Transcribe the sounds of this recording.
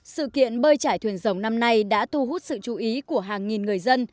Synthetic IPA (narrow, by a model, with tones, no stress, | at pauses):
sɨ̰˧˨kḭ˧˨ənɓəː˧jt͡ɕaː˧˩jt̪ʰwi˨˩ənzə˨˦wŋ͡mna˧mna˧jɗa̰ː˧˥t̪u˧ɦu˦˥t̚sɨ̰˧˨t͡ɕu˨˩˦ʔi˨˦ku˧˩əɦaː˨˩ŋŋi˨˩nŋ˨˩əjzə˧n